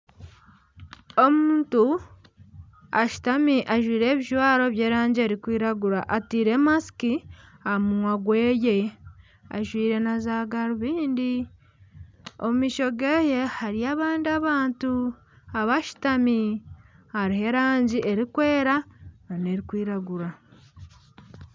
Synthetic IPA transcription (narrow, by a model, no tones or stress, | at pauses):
o̞muːntu | aʃu̥tamiʔaʒwiːɾe̞βiʒwaːɾo̞βjeːɾaːɲɟie̞ɾikwiːɾaɡuɾaʔatiːɾe̞masi̥kiamunwaɡwe̞ːje | a̰ʒwiːɾe̞nazaɡaɾuβiːndi | omumiːʃo̞ɡeje̞haɾiaːβaːndiaβaːntu | aβaʃu̥tami | haɾihe̞ɾaːɲɟiʔe̞ɾikwe̞ːɾaane̞ɾikwiːɾaɡuɾa